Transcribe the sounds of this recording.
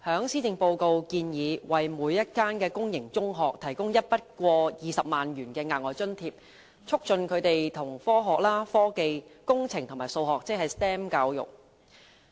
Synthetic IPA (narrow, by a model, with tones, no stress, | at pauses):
hœː˨˥ŋsiː˥t͡sɪ˨ŋpo˧wko˧wkiː˧njiː˨˧wɐ˨jmuː˨˧jːɐ˥t̚kaː˥nkɛː˧kʊ˥ŋjɪ˨˩ŋt͡sʊ˥ŋɦɔː˨k̚t̪ʰɐ˨˩jkʊ˥ŋjɐ˥t̚pɐ˥t̚kʷɔː˧jiː˨sɐ˨p̚maː˨nɥyː˨˩nkɛː˧ŋaː˨˩nɔː˨˩jt͡sɵ˥nt̪ʰiː˧p̚ | t͡ʃʰʊ˥k̚t͡ʃɵ˧nkʰɵ˨˧ɥt̪e˨jt̪ʰʊ˨˩ŋfɔː˥ɦɔː˨k̚laː˥fɔː˥ke˨jkʊ˥ŋt͡sʰɪ˨˩ŋt̪ʰʊ˨˩ŋmaː˨˩jso˧wɦɔː˨k̚t͡s̚ːhɐ˨jst̪ɛː˥mkaː˧wjʊ̰˨k̚